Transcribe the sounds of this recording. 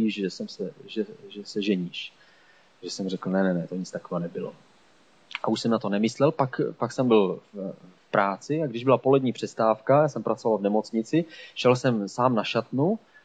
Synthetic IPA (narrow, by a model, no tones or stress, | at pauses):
iʃʒɛsɛmsɛʒɛʒɛsɛʒɛɲiːʃ | ʒɛsɛmrɛkl̩nɛnɛnɛt̪o̞ɲɪt͡st̪akovaːnɛbɪlo̰ | ʔa̰uʃsɛmnat̪o̞nɛmɪslɛlpakpaksɛmbɪlffpɾʔaːt͡sɪaɡdɪʒbɪlapo̞lɛdɲiːpr̝̥ɛst̪aːfkajaːsɛmpɾʔat͡so̞valvnɛmo̞t͡sɲɪt͡sɪʃɛlsɛmsaːmnaʃat̪nu